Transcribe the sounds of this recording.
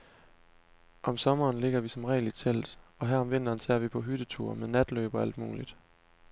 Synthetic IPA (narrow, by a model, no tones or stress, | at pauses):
ʔɒ̽msɒ̽mɐːnle̝ɡ̥ɐʋisɒ̽mʁɛ̰ːlid̥sʰel̰d̥ɒ̽ɦæɐɒ̽mʋe̝n̰d̥ɐːnt͡sʰeɐʋipʰɒ̽ɦyd̥ət͡sʰuɐ̰meðˠnæd̥lø̰ːb̥ɒ̽æl̰d̥mṵːlid̥